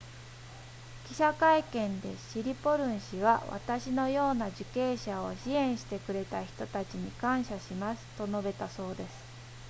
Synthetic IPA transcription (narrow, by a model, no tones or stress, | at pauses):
kʲi̥ɕakaikẽ̞nd̪e̞̰ɕiɾʲipo̞ɾɯ̟̃ɰ̃ɕiβaβa̰t̪aɕino̞jo̞ːnad͡ʑɨke̞ːɕao̞ɕiẽ̞ɰ̃ɕi̥t̪e̞kɯ̟ɾe̞t̪açi̥t̪o̞t̪at͡ɕiɲ̟ikãɰ̃ɕaɕimasɨ̥t̪o̞no̞be̞t̪aso̞ːd̪e̞sɨ̥